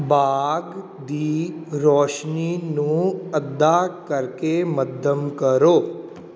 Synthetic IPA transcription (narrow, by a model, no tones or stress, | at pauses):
baɡ | d̪iɾɔːʃninũɐd̪ːaːkəɾkeməd̪ʱəmkəɾoː